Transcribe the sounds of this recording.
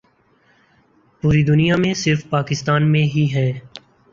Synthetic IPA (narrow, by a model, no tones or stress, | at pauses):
puːɾid̪ʊnijamẽsɪɾfpaːkɪst̪aːnmẽɦiɦɛː